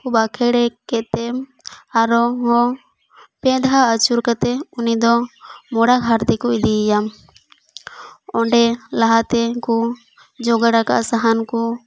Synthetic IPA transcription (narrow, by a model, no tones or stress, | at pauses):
kubakʰɛɽɛkɛt̪ɛmaɾɔɦɔ̃ | pɛ̃d̪ʱaət͡ʃuɾkat̪ɛunid̪ɔmɔɽaɡʱaɾt̪ikɔid̪iːjam | ɔɳɖɛlaɦat̪ɛkɔ | d͡ʒɔɡaɽaka̰ʔsaɦankɔ